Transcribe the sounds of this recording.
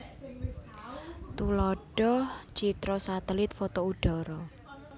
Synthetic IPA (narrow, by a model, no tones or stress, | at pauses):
t̪ulɔɖ̥ɔht͡ʃit̪ɾɔsat̪ɛlɪt̪̚fɔt̪ouɖ̥ɔ̤ɾɔ